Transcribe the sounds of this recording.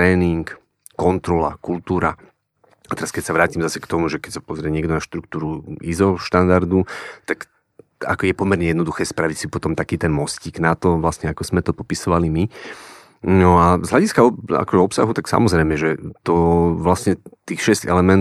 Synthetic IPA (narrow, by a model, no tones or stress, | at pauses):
t̪ɾɛːniŋkː | ɔnt̪ɾɔla̰kult̪uːɾa | at̪ɛɾaskɛcsaʋɾaːcimzasɛ̥kt̪ɔmuʒɛkɛcsapɔzɾɪɛɲɪɛɡd̪ɔnaʃt̪ɾuk̚t̪uːɾuizɔʃt̪and̪aɾd̪ut̪ak | a̰kɔjɛpɔmɛɾɲɛjɛd̪nɔd̪uxɛːspɾaʋicsipɔt̪ɔmt̪akiːt̪ɛnmɔsciːɡnat̪ɔʋlasɲɛakɔz̥mɛt̪ɔpɔpisɔʋalimi | nɔazɦlʎaɟiskaɔa̰kɔʒɛɔpsa̰ɦut̪aksa̰mɔzɾɛɪmɛʒɛt̪ɔʋlasɲɛt̪iːxʃɛscɛ̰lɛmɛnt